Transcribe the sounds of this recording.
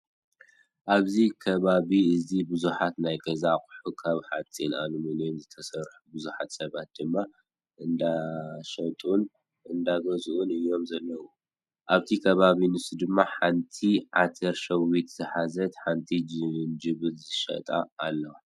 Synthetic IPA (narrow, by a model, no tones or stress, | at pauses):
ʔaβzikʰɐβaβiɨzibɨzuħat̪najɡʼɐzakʼħukʰaβħat͡sʼinʔa̰numɨnjomzɨt̪ʰɐsɐɾħubɨzuħat̪sɐβat̪̚d̪ɨmːa | ʔɨnd̪aʃɐt̪ʼun | ɨnd̪aɡɐzuʔunɨjːo̞mzɐlːɐwu | ʔaβt̪ʰikʰɐβaβinɨsud̪ɨmːaħant̪ʰiʕat̪ʰɐɾʃɐwit̪zɨħazɐt̪ħant̪ʰind͡ʒɨβɨt̪zɨʃɐ̰t̪ʼa̰ːlːɐwa